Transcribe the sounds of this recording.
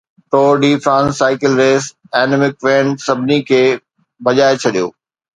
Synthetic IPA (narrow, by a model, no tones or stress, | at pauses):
ʈoːɖiːfɾãːnsːaːɪkɪlɾeːs | ɛːnɪmɪkʋẽːnsɐbʱɪnikʰeː | bɐʄaːet͡ɕʰɐɗijo̰ː